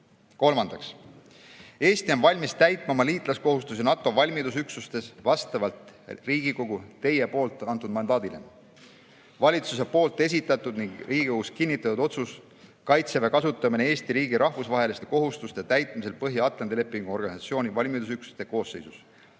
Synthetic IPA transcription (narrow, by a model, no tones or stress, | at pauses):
ko̞lmɑnd̪̥ɑks | e̞ːst̪io̞nvɑlʲmist̪æjt̪ˑmɑmɑliːt̪ˑlɑsko̞ɦust̪us̬inɑt̪ːˑo̞vɑlʲmid̪usyksust̪e̞svɑst̪ɑvɑlt̪riːɡ̥iko̞ɡ̥ut̪e̞je̞po̞ːlt̪ːˑɑnt̪ːˑud̪mɑnd̪ɑːd̪ilḛ | vɑlʲit̪sus̬e̞po̞ːlt̪ˑe̞s̬ʲit̪ːˑɑt̪ˑud̪niŋɡriːɡiko̥uskinʲːit̪ːˑɑt̪ud̪̥o̞t̪sus | kɑjt̪sevɑkɑsut̪ːˑɑminee̞ːsʲt̪iɾiːɡ̥iɾʔɑhvusvɑɦe̞list̪e̞ko̞ɦust̪ust̪et̪æjt̪ˑmis̬e̞lpɤɦjiɑt̪lɑnd̪ile̞pːˑiŋɡ̥uo̞rɡ̥ɑnisɑt̪sio̞ːnʲivɑlʲmid̪usyksu̥st̪e̞ko̞ːsːe̞̰jsus